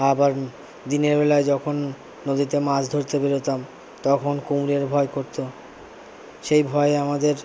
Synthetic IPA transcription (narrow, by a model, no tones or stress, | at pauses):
abaɾ | d̪ineɾbɛlaed͡ʑɔkʰonː | od̪it̪emad͡ʑd̪ʱoɾt̪ebeɾot̪am | t̪ɔkʰonkumɾeɾbʱɔekoɾt̪o | ʃejbʱɔeamad̪eɾ